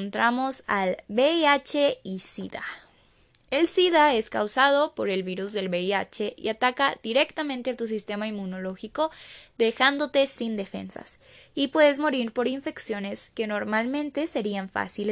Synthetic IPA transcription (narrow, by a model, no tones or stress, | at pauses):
nt̪ɾamo̞salbeiat͡ʃeisiða̰ | e̞lsiðae̞skawsað̞o̞po̞ɾe̞lβiɾuzðe̞lβeia̰t͡ʃe̞ḭat̪akaðiɾe̞kt̪amẽnt̪eat̪us̬ist̪e̞maimːuno̞lo̞xiko̞ðe̞xand̪o̞t̪e̞sind̪e̞fe̞̰nsa̰s | ipwe̞ðe̞zmo̞ɾiɾpo̞ɾiɱfe̞ksjo̞ne̞ske̞no̞ɾmalmẽnt̪e̞se̞ɾiaɱfa̰sil